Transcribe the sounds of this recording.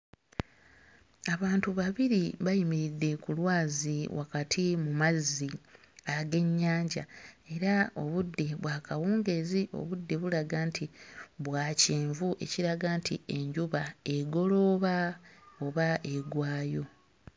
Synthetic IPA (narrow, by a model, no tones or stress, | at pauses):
aβaːntuβaβiɾiβajimiɾidːe̞kulwaːziwʔa̰katʰimumazːi | aɡe̞ɲːaːɲɟae̞ɾao̞̰βudːe̞βwaːkawuːŋɡe̞ziʔo̞̰βudːe̞βulaɡaːntʰiβwaːceːɱvuʔe̞̰ciɾaɡaːntḭe̞ɲɟuβae̞ɡo̞lo̞ːβaoβaʔe̞ɡwaːjo̞